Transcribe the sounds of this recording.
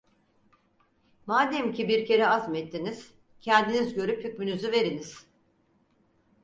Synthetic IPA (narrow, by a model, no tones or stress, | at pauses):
maːd̪ɛmcʰibiɾcʰe̞ɾɛazmɛt̪ʰːiniz̥ | cʰɛnd̪inizɟø̞ɾypʰycmynyzyve̞ɾiniz̥